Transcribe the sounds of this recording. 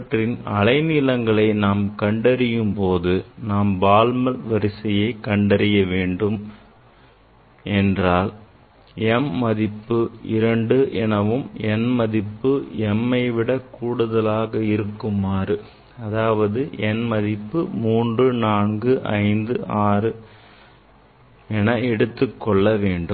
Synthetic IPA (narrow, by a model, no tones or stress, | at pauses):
ʈrɪnɐlɐɪnɪlɐŋɡɐɭɐɪnaːmkɐɳɖɐɾɪjɯmpoːðɯnaːmbaːlmɐlʋɐɾɪsɐjɐɪkɐɳɖɐɾɪjɐʋeːɳɖɯm | ʔɛndraːl | ɛmːɐðɪpːɯɪɾɐɳɖɯʔɛnɐʋɯmɛnmɐðɪpːɯɛmːɐɪʋɪɽɐkuːɽɯðɐlaːɣɐɪɾɯkːɯmaːɾɯ | ɐðaːʋɐðɯɛnmɐðɪpːɯmuːndrɯnaːnɡɯʔɐ̰ɪnd̪ɯʔaːrɯ | ɛnɐɛɽɯt̪ːɯkːɔɭːɐʋeːɳɖɯm